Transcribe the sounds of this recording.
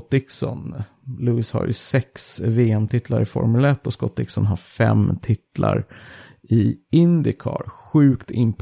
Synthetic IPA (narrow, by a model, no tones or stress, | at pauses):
t̪ːɪksɔn | luːɪsha̰ɾjɵ̰sɛksveːɛmt̪ʰɪt̪ʰlaɾɪfɔ̰ɾmɵlɛt̪ːɔskɔt̪ːɪksɔnɦaɾfɛmt̪ʰɪt̪ːlʔaɾ | ɪɪnd̪ɪkʰɑːɾɧʉ̟ːkt̪ʰɪmpʰ